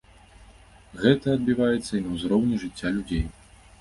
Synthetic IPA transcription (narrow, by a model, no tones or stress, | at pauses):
ɣɛt̪ɐːd̪bʲivajɛt̪sːɐinɐwzɾɔwnʲiʐɨt͡sʲːalʲud͡zʲej